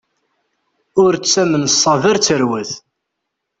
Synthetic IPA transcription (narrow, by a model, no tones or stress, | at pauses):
ʊɾt͡st͡sːæməmsˤːɑðəɾt͡sːəɾwəθ